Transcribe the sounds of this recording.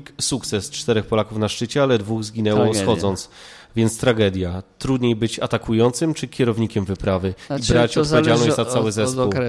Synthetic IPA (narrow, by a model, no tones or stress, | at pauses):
ksuk̚t̪sɛst͡ʂt̪ɛɾɛxpɔlakufnaʂt͡ʂɘt͡ɕɛalɛd̪vuɣzɡʲinɛwɔxɔd̪zɔnt̪s | vʲjɛnt̪st̪ɾaɡɛd̪ʲjat̪ɾud̪ɲejbɘt͡ɕa̰t̪akʰujɔnt̪sɘmt͡ʂɘkʲɛɾɔvɲikʲɛmvɘpɾavɘibɾat͡ɕɔɔtɔvʲjed͡ʑalnɔɕnat̪awɘzɛpuw